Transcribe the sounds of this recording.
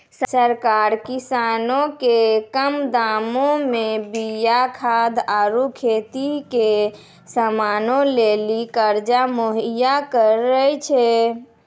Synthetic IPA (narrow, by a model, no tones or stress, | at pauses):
ssəɾkaɾkisanokekəmd̪amomebijakʰad̪aɾukʰet̪ike | səmanolelikəɾd͡ʒamoɦijakəɾəjt͡ʃʰɛ